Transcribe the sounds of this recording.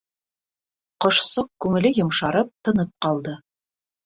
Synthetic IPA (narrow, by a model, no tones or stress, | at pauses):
qŏʃsɤq̚kʉŋɘ̆lɘjŏmʃɑɾɤp̚t̪ɤ̆nɤp̚qɑlˠd̪ɤ